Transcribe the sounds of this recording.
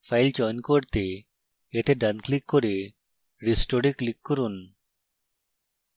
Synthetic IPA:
pʰajld͡ʒɔjnkoɾt̪e | et̪eɖanklikːoɾe | ɾisʈoɽiklikːɔɾun

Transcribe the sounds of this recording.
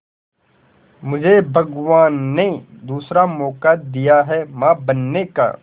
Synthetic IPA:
mʊd͡ʒʱebʱɐɡʋaːnːed̪uːsɾamɔːkad̪ijaɦɛmãːbɐnːeka̰

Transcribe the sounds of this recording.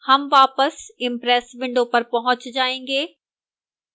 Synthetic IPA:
hɐmʋaːpəsɪ̃mpɾɛːsʋɪ̃ɳɖopɐɾpɐɦʊ̃t͡ʃd͡ʒaːẽːŋɡeː

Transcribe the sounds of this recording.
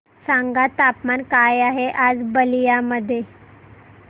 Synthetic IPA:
sãŋɡat̪apmankajaɦeʔad͡zbəlijaməd̪ʱːje

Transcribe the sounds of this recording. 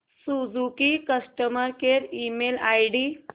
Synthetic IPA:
sud͡zukikəsʈəməɾkeɾimelajɽi

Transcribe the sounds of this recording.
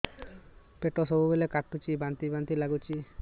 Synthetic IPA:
peʈosɔbubelekaʈːut͡ʃibant̪ibant̪ilaɡut͡ʃi

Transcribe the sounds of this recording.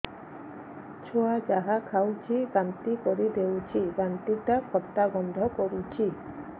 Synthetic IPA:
t͡ʃʰoad͡ʒaɦakʰawt͡ʃʰikant̪ikɔɾid̪ewt͡ʃʰiɡant̪iʈakʰɔt̪ːaɡɔnd̪ʱɔkɔɾut͡ʃʰi

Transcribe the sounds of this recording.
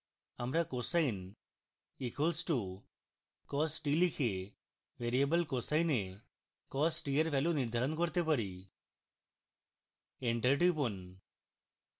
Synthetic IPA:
amɾakosajn | ikʰelsʈu | kɔsʈilikʰe | beɾiebəlkosajne | kɔsʈieɾpʰɛluniɾd̪ʱaɾɔnkɔɾt̪epaɾi | eɳʈəʈipun

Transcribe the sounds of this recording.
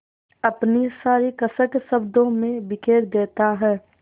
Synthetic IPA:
ɐpnisaːɾikɐsəksəbd̪õmẽbɪkʰeːɾd̪eːt̪aɦɛː

